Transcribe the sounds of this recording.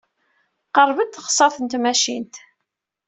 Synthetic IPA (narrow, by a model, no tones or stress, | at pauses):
qəɾˤvəd̪θχsˤɑθənt̪mæʃint̪